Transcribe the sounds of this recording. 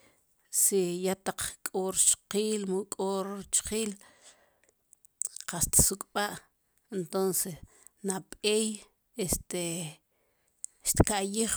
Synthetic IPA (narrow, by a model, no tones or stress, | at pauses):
sijat̪aq͡χkʼoɾt͡ʃqiːlmukʼoɾt͡ʃqiːl | qast̪sukʼɓaʔ | ent̪onses | napʼeːj | est̪e | ʃt̪kaʔjiχ